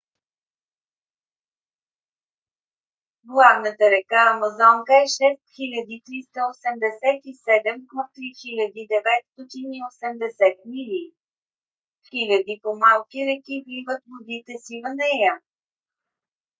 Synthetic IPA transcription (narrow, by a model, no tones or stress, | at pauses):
ɡlˠavnət̪əɾɛkaːmɐzɔŋkəɛʃɛst̪xilʲəd̪it̪ɾist̪əosɛmd̪ɛsɛt̪isɛd̪ɛmpot̪ɾixilʲəd̪id̪ɛvɛt̪st̪ɔt̪iniosɛmd̪ɛsɛt̪milʲi | xilʲəd̪ipomalˠkiɾɛkibivət̪vod̪it̪ɛsivənɛjə